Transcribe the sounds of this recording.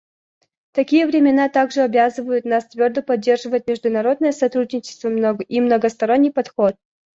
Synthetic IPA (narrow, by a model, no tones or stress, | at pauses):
t̪ɐkʲijəvɾʲɪmʲɪnat̪aɡʐɨɐbʲazɨvəjʊt̪nast̪vʲord̪əpɐdʲːe̞rʐɨvətʲmʲɪʐd̪ʊnɐɾo̞d̪̚nəjəsɐt̪ɾud̪ʲnʲɪt͡ɕɪ̥st̪vəimnəɡəst̪ɐɾo̞nʲːɨjpɐt̪xot̪̚